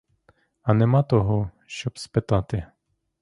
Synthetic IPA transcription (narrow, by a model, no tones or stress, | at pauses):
anɛmat̪ɔɦɔ | ʃɔpspɛt̪at̪ɪ